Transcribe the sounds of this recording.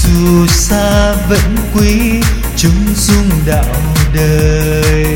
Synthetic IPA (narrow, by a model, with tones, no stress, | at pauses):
zɨ˨˩saː˧və̰˧˨˥nkwi˨˦ | t͡ɕʊ˨˦ŋ͡m | zʊ˧ŋ͡mɗa̰ː˧˨wm˨˩ɗəː˨˩˨ | j